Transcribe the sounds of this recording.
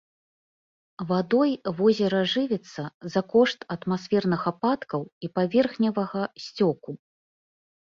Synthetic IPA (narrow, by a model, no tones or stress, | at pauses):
vad̪ɔjvɔzʲɛɾɐʐɨvʲɛt̪sːɐzɐkɔʂt̪ɐt̪masfʲɛrnɨxapat̪kɐwipavʲɛrxnʲɐvɐɣɐsʲt͡sʲɔku